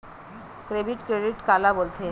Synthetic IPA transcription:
kɾebiʈkɾeɖiʈkalabolt̪ʰe

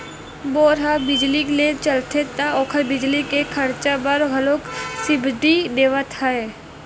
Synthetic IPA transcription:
boːɾɦabɪd͡ʒliklet͡ʃəlt̪ʰet̪aɔːkʰəbɪd͡ʒlikekʰɐɾt͡ʃabəɾɦɐloːksɪbʱd̪id̪eːʋət̪ɦae

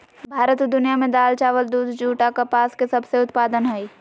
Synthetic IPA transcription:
bʱaːɾət̪d̪ʊnijamẽd̪aːlt͡ʃaːʋəld̪uːd̪d͡ʒuːʈakɐpaːskesɐbseʊt̪paːd̪ənɦɛi

